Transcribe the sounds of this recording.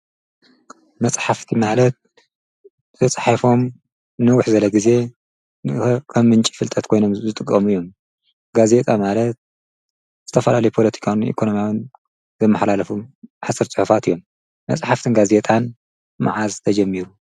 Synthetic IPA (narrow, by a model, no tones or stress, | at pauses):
mɐt͡sʼħaft̪ʰimahlɐt̪̚ | zɐt͡sʼħafo̞m | nɨwʊħzɐlɐɡize̞ | kʰɐmːɨnt͡ʃʼi̥fɨlt̪ʼʰɐt̪kʰo̞jno̞mzɨt̪ʼɨkʼːɐmijːo̞m | ɡaze̞t̪ʼamalɐt̪̚ | z̥ɨt̪ʰɐfɐlalɐjpʰo̞lɐt̪ʰi̥kʰawḭkʰo̞no̞mjawɨn | zɐmːɐħlalɐfuħasʼɨɾt͡sʼɨħufat̪ɨjːo̞mː | ɐt͡sʼħaft̪ʰɨnɡaze̞t̪ʼan | ma̰ʕazt̪ʰɐd͡ʒɐmːiɾu